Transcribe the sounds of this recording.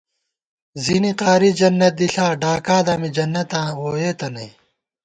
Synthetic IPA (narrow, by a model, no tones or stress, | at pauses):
ziniqaːɾid͡ʑɐnːɐt̪̚d̪iɬaːɖaːkaːd̪aːmid͡ʑɐnːɐt̪ãːwoːjeːt̪ɐnɐ